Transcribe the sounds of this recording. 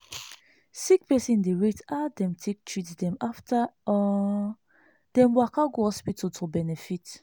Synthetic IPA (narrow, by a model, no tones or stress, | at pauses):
sik̚pɛsĩndeɹitadɛ̃mtʰek̚tʰɹitdɛ̃maftaɔ | d̥ɛ̃mwakaɡoɔspitotʰobɛnɛfit